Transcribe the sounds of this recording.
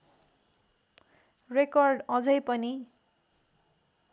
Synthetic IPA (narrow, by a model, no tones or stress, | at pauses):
rekʌrɖʌd͡zʌjpʌni